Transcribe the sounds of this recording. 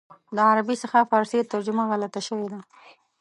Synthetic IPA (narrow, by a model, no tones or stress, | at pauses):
d̪əaɾabisəxafɑɾset̪əɾd͡ʒʊmaɣalat̪aʃəwed̪a